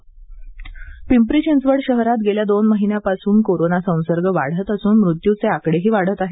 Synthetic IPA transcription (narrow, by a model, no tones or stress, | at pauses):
pimpɾit͡ɕensʋəɽɕəɦɾat̪̚ɡeljad̪onməɦinjapasuːnkoɾonasə̃w̃səɾɡəʋa̰ɽ̤ət̪əsuːnmɾut̪jut͡seakɽeɦiːʋaɽ̤ət̪aɦe